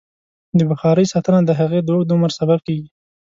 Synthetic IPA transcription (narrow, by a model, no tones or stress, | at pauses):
d̪əbaxɑɾəjsɑt̪ənad̪əɦaɣed̪oɡd̪ʊmɾsabab̚keɡi